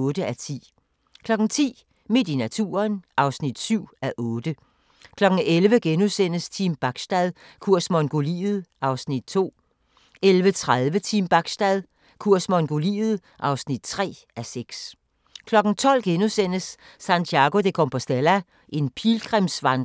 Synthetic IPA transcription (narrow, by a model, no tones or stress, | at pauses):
ɔːd̥əæt͡sʰḭː | kʰlɒ̽ɡ̥n̩t͡sʰḭː | me̝d̥inæt͡sʰṵːɐnʔɑ̈ʊsnid̥syʊ̰æʔɔ̽ːd̥ə | kʰlɒ̽ɡ̥ŋ̩elʋəɡ̥enusen̰əst͡sʰimb̥ɑ̈ɡ̥sd̥æðˠ | kʰuɐ̰smɔ̽nɡ̥o̝lḭːð̩ˠʔɑ̈ʊsnid̥̚t͡sʰo̝̰ː | elʋət͡sʰʁaðˠʋət͡sʰimb̥ɑ̈ɡ̥sd̥æðˠ | kʰuɐ̰smɔ̽nɡ̥o̝lḭːð̩ˠ | ʔɑ̈ʊsnid̥̚t͡sʰʁɛ̰ː | æseɡ̥s | kʰlɒ̽ɡ̥n̩t͡sʰɒ̽l̰ɡ̥enusen̰əsː | ænt͡sʰjɑ̈ɡ̥o̝d̥ekʰɔmpʰɒ̽sd̥elæ | ʔe̝npʰilɡ̥ʁɛmsʋɑnd